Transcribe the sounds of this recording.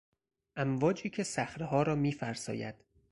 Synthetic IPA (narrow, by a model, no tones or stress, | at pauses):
ʔæmvɒːd͡ʒiːcʰe̞sæxɾeɦɒːɾɒːmiːfæɾsɒ̰ːjæ̰d̪̥